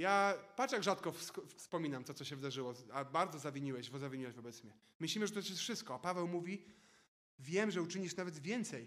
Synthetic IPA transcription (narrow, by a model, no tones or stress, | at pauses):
japat͡ʂjaɡʐat̪kɔfskfspɔmʲinamt̪ɔt̪ɔɕɛvɘd̪aʐɘwɔabaɾd̪zɔzavʲiɲiwɛɕvɔzavʲiɲiwɛɕvɔbɛt̪smʲɲɛ | mɘɕlʲimɘʐɛt̪ut̪aʃ̬jɛsfʂɘst̪kɔapavɛwmuvʲi | vʲjɛmʐɛut͡ʂɘɲiʂnavɛd̪vʲjɛnt̪sɛj